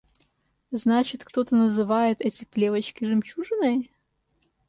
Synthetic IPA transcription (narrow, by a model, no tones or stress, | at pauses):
znat͡ɕɪt̪kt̪ot̪ənəzɨvajɪt̪ɛtʲɪplʲevət͡ɕkʲɪʐɨmt͡ɕuʐɨnəj